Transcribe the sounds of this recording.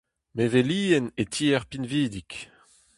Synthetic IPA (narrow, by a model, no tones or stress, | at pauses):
meveliːɛnetʰiːɛʁpinviːd̪ik